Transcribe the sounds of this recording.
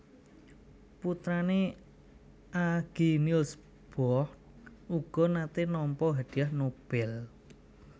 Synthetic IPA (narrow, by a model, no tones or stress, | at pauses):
put̪ɾane | aɡ̥inils | b̥ɔht̪̚ | uɡ̥ɔ̤nat̪enɔmpɔɦad̪̥iahnob̥ɛl